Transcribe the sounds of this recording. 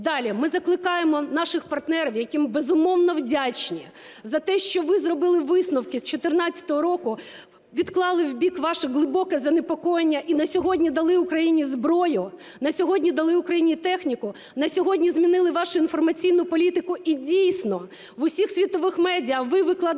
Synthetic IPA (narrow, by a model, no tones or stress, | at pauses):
d̪ɑlʲimɪzɐklˠɪkɑjemɔnɑʃɪxpɐrt̪nɛɾɐwjɐkʲimbezʊmɔwnɔwdʲat͡ʃnʲi | zɐt̪ɛʃt͡ʃɔʋɪzrɔbɪlˠɪʋɪsnʊwkɪst͡ʃɔt̪ɪrnɑt͡st͡sʲːɐ̥t̪ɔɦɔɾɔkʊ | ʋʲid̪klˠɑlˠɪwbʲikʋɑʃɪɦlˠɪbɔkɛzɐnepɔkɔjenʲːɐʔinɐsʲɔɦɔdʲnʲid̪ɐlˠɪʊkɾɐjinʲizbɾɔjʊ | nɐsʲɔɦɔdʲnʲid̪ɐlˠɪʊkɾɐjinʲit̪ɛxnʲikʊ | nɐsʲɔɦɔdʲnʲizmʲinɪlˠɪʋɑʃʊinfɔrmɐt͡sʲijnʊpɔlʲit̪ɪkʊʔidʲijsʲnɔ | ʋʊsʲixsʲʋʲit̪ɔʋɪxmɛdʲijɐʋɪʋɪklˠɐ